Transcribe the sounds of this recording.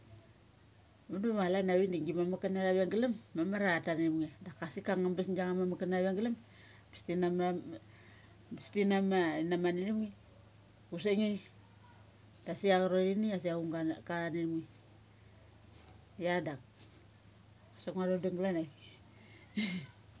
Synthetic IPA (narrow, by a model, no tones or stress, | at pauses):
mandumalanaβindiŋɡimamakanaɾaβeŋɡalamːamaɾataniɾimŋidakasikaŋambasnd͡ʒaŋamamakanaβaŋɡilam | bi̥stinama | bistinamainamaniɾimŋi | usaŋi | d̥asiakaɾoɾinias̬iauŋɡakaaniɾmŋi | jadak̚ | asakŋaɾoduŋɡlanaj